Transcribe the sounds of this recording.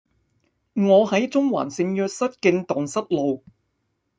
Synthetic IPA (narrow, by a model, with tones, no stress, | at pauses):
ŋɔː˨˧hɐ˨˥jt͡sʊ˥ŋwa̰ː˨˩nsɪ˨˧ŋjœː˧k̚sɐ˥t̚kɪ˧ŋt̪ɔː˨˩ŋsɐ˥t̚lo˨w